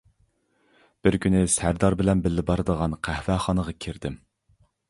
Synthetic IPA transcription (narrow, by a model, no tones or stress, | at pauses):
b̥ɪɾkʲʰynɪsæɾd̪ɑɾbɪlɛnbɪlːɪbɑɾɨd̪əʁɑnqʰæhvæχɑnəʁɑkʲʰiɾd̪ɪm